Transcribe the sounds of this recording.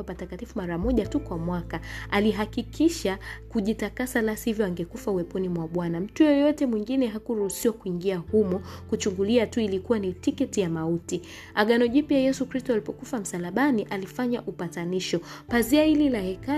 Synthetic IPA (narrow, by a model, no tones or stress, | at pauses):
apatakatifumaɾamɔʄatukwamwakaaliɦakikʰiʃakuʄitakasalasihivjɔaŋɡɛkufauwɛpunimwaɓwanam̩tujɔjɔtɛmwiŋɡinɛɦakuɾuhusiwakuiŋɡiahumɔkut͡ʃuŋɡuliatuilikuwanitikɛtijamauti | aɠanɔʄipiajɛsukɾistɔalipɔkufam̩salaɓaniʔalifaɲaʔupataniʃɔpaziahililahɛka